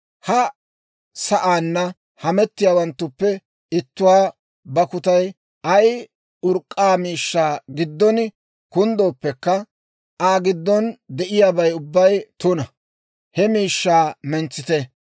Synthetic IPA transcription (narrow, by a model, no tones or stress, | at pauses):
hɐ | sɐʔaːnːɐ | hɐmɛt̪ːɪjaːwɐnt̪ːʊpːɛ | ɪt̪ːʊwaː | bɐkʊt̪ɐj | ʔɐj | ʊɾkʼːaːmiːʃːaːɡɪd̪ːɔn | kʊnd̪oːpːɛkːɐ | aːɡɪd̪ːɔnd̪ɛʔɪjaːbɐjʊbːɐjt̪ʊnɐ | hɛmiːʃːaːmɛnt͡sːɪt̪e